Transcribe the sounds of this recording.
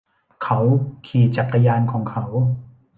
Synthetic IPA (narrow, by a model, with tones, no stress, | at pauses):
kʰa˦˥wkʰiː˨˩t͡ɕa˨˩kʰːa˧jaː˧nkʰɔː˩˦ŋkʰa˦˥w